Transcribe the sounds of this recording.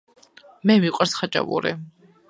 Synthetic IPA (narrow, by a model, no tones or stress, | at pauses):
mɛmiqʼaɾsχat͡ʃʼa̰vṵɾɛ̰